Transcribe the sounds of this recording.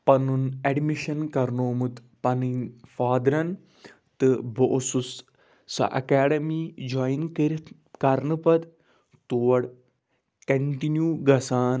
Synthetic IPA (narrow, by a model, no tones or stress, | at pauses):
pɐnunɐɖmiʃɐnkɐɾnoːmut̪ | pɐninfaːd̪ɾɐn | t̪ɨbo̰ʔːsusː | ɐ̰ʔɐ̰kaːɖɐmid͡ʒojnkiɾ | kɐɾnɨpɐd̪ | t̪uːɐɽ | kɐɳʈinjuːɡɐsaːn